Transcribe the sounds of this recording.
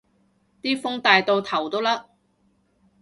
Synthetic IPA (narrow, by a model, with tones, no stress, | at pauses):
t̪iː˥fʊ˥ŋt̪aː˨jt̪o˧wt̪ʰɐ˨˩wt̪o˥wlaː˥